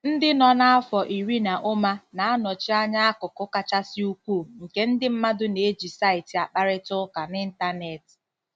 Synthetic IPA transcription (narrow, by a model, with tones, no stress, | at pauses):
n̩˦dɪ˦nɔ˨na˦a˦fɔ˨ʔi˨ɾi˦na˨ʔʊ˦ma˦na˨a˦nɔ˨t͡ʃɪ˦a˦ɲa˦a˦kʊ˨kʊ˦ka˦t͡ʃa˦sɪ˦u˦kʷu˦˨ŋ̩˨ke˦n̩˦dɪ˦m̩˦ma˦dʊ˦ne˨˦d͡ʒi˨sa˦ɪ˨ti˨a˨k͡pa˦ɾɪ˦tʊ˦ka˨nɪ˦n̩˦ta˦ne˨t